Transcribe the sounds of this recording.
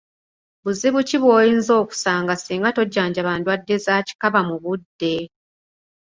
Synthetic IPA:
βuziβuciβwo̞ːjiːnzo̞ːku̥saːŋɡasiːŋɡato̞ɟːaːɲɟaβaːndwadːe̞zaːci̥kaβamuβudːe̞

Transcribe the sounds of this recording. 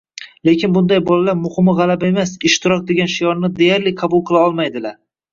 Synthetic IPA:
le̞kʲʰɪnbʊnd̪ajbɒlalaɾmʊhɪmɪʁɑlabaemasɪʃt̪ɪɾɒk̚ʲd̪e̞ɡʲanʃijɒɾnɪd̪ejaɾlɪqʰɑbʊlˠqʰɨlˠaɒlˠmajd̪ɪlaɾ

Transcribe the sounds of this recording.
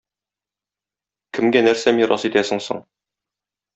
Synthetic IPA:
kɘ̆mɡænæɾsæmiɾʔɑ̰sit̪æsɘ̆ŋsɤ̰ɴ

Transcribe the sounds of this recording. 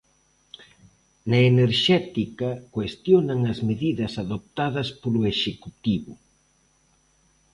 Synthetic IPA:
nɐeneɾʃɛt̪ikɐkwest̪jonɐŋɐzmeðiðɐsaðop̚t̪aðɐspoloeʃekut̪iβʊ

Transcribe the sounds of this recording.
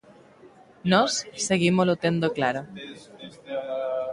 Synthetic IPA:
nosseɣimolot̪end̪oklaɾo

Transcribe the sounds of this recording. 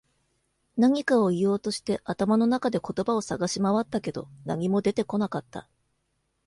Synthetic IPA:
naɲ̟ikao̞ijo̞ːt̪o̞ɕi̥t̪e̞ʔat̪amano̞nakad̪e̞ko̞t̪o̞bao̞saɡaɕimaβat̪ːake̞d̪o̞̰na̰ɲ̟imo̞d̪e̞t̪e̞ko̞nakat̪ːa̰

